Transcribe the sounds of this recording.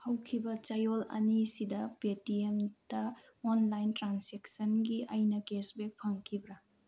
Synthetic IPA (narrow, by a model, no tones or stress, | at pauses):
hɐwkʰibɐt͡ʃajolɐ̰nisidɐpetiemdɐ | onlajntɾansek̚sɐnɡiʔɐjnɐkesbek̚pʰɐŋkʰibɾɐ